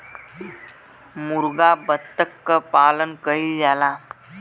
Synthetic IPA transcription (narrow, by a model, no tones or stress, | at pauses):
muɾɡabət̪ːəkːəpalənkəɦild͡zala